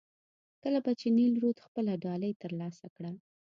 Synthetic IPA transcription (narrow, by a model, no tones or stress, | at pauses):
kəlabat͡ʃenilɾud̪xpəlaɖɑləjt̪əɾlɑsakɽəl